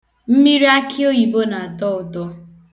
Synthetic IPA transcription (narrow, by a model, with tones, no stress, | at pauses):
m̩˦mi˦ɾi˦a˦kʰɪ˦o˦ji˨bo˦na˨a˨tɔ˦ʊ˨tɔ˦